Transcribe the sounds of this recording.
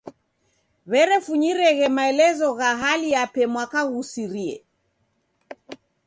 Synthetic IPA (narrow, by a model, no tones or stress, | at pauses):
βɛɾɛfuɲiɾɛɣɛmaɛlɛzɔɣaɦalijapɛmwakaɣusiɾiɛ̰